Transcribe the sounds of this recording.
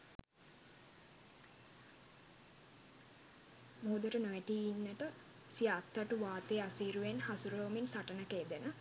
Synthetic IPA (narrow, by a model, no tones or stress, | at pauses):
moːd̪uɾənoʋeʈiːinːəʈə | sijaːt̪ːaʈuʋaːt̪easiːɾuʋenhasuɾoːminsaʈənəkeːd̪enə